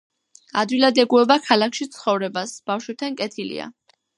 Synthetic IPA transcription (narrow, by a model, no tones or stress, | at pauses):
ad̪wilad̪ɛɡuɛbakʰalakʰʃit̪sʰχɔvɾɛbasb̥afʃwɛb̚t̪ʰankʼɛt̪ʰilḭa̰